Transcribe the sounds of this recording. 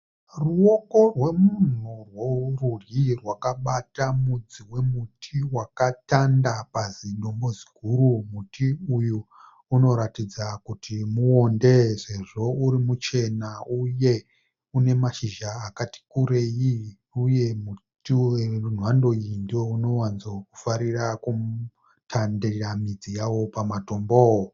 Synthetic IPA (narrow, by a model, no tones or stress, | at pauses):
ruo̞ko̞rwe̞mun̤urworurjirwakaɓatamud͡ziwe̞mutʰiwakatandapaziɗo̞mbo̞zi̥ɡʱuɾumutʰiujuː | no̞ɾatid͡zakutʰimuo̞nde̞ʐe̞ʐo̞uɾimut͡ʃe̞nauje̞ | une̞maʃiʒaːkati̥kuɾe̞ji | uje̞mutieun̤wando̞indiwouno̞wanzokufaɾiraku | tʰanderamid͡zijawo̞pamato̞mboo